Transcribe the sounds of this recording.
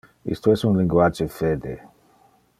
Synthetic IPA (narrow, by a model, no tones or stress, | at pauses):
ḭst̪oɛsunlĩŋɡwat͡ʃefed̪ḛ